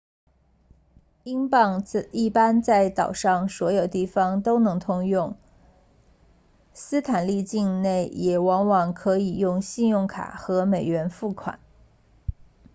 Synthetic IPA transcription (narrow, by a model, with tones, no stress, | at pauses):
i˥ŋpɑ˥˧ŋi˥˩pa˥nt͡sa˥˩ɪt̪ɑ˨˩ʊʂɑ˥˩ŋswɔ˧˥jo˨˩ʊt̪i˥˩fɑ˩ŋt̪o˥ʊnɤ˧˥ŋt̪ʰʊ˥ŋjʊ˥˩ŋ | sɹ̩˥t̪ʰa˨˩nli˥˧t͡ɕi˥˧ŋne˥˩ɪjɛ˨˩wɑ˧˥ŋwɑ˨˩ŋkʰɤ˧˥i˨˩jʊ˥˧ŋɕi˥˧njʊ˥˩ŋkʰa̰˨˩xɤ˧˥me˨˩ɪɥɛ˧˥nfu˥˩kʰwa̰˨˩˦n